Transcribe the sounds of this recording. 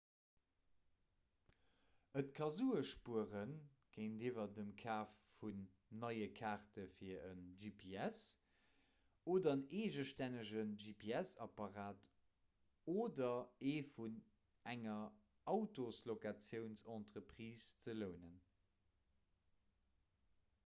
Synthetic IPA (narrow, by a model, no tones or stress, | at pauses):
ətkʰɑzuːəʃpuəʁən | ɡ̥eɪndivɐdəmkʰaːfːunː | ɑɪəkʰaːʁtəfiːɐənʒipʰiɛs | oːdɐəneːʒəʃtænəʒənʒipʰeæsɑpɑʁaːt | oːdɐeːfun | æŋɐ | ɑʊtoslokat͡sjəʊnsɑntʁəpʁiːst͡sələʊnən